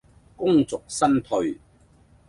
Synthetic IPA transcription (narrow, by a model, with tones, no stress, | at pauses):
kʊ˥ŋt͡sʊ˨k̚sɐ˥nt̪ʰɵ˧ɥ